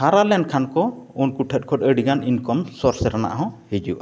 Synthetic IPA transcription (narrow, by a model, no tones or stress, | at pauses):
haɾalɛɳɖkʰankɔunkuʈʰɛt̚ˀkʰɔtˀəɽiɡaninkɔmsɔɾsɛɾana̰ʔɦɔ̃hid͡ʒṵʔa